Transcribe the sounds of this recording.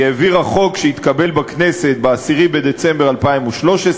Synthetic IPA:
eːviʁaχo̞kʃeit̪kabe̞lbakne̞set̪̚beasiʁibed̪e̞t͡sembealpaimuʃlo̞ʃes

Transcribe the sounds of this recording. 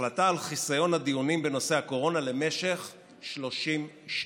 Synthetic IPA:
lat̪aːlχisajo̞nad̪ijunimbeno̞seako̞ʁo̞nale̞me̞ʃe̞χ | ʃlo̞ʃim | ʃ

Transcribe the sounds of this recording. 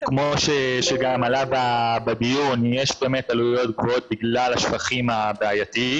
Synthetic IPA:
kmo̞ʃeʃeɡamalabababijunjeʃbe̞ːme̞t̪alujo̞t̪ɡvo̞ot̪̚biɡlalaʃfaχimabeajat̪i

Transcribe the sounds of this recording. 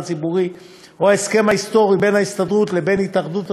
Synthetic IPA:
t͡sibuʁi | oaeske̞mhaist̪o̞ʁibe̞nhaist̪adʁut̪le̞be̞nitaχd̪ut

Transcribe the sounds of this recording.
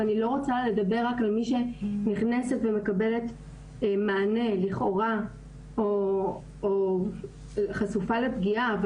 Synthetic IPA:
anilo̞ʁot͡sale̞dabe̞ʁːakalmiʃe̞niχnese̞tveme̞kabe̞le̞t̪ | maːne̞liχo̞ʁa | o | o | χasufale̞pɡiav

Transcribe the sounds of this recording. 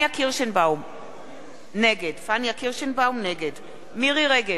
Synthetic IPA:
akiʁʃenbawm | neɡedfanjakiʁʃenbawmneɡed | miʁiʁeɡe

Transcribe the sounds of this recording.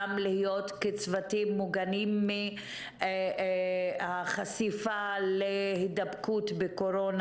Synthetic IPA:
mlihijotkit͡svatimːuɡanimːi | aχasifalehidabkutbekoɾon

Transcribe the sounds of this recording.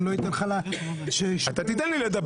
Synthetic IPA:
loit̪enχala | ʃeʃat̪at̪id̪anliled̪ɐb

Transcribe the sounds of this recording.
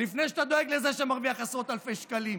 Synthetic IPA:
lifne̞jʃ̬eat̪ad̪o̞eɡlezeʃemaʁviaχasʁot̪alfejʃkalim

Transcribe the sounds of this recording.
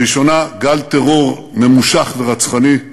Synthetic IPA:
iʃo̞naɡalt̪eʁo̞ʁ | ne̞muʃaχveʁat͡sχani

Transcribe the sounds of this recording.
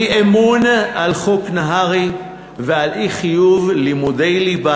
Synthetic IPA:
ʔemunʔalχoknaɦaʁi | vealʔiχijuvlimud̪ejliba

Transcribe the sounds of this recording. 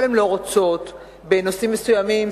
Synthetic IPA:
lemlo̞ʁot͡so̞t̪ | benosimːesujamim

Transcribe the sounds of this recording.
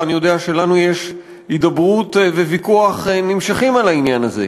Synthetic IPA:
anijo̞d̪eaʃe̞lanujeʃ | id̪abʁut̪vevikuaχenimʃaχimalainjanazḛ

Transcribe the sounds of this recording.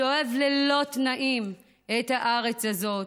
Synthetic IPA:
oevlelo̞t̪naʔim | et̪haʔaʁe̞t͡shazo̞

